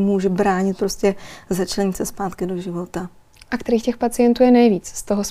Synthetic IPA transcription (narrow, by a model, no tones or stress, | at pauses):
muːʒɛbɾaːɲɪt̪̚pɾo̞scʲɛzat͡ʃlɛɲɪsɛspaːt̪kɪdo̞ʒɪvo̞t̪a | ʔakt̪ɛɾiːxcɛxpat͡sɪjɛnt̪uːjɛnɛjviːt͡sst̪oɦos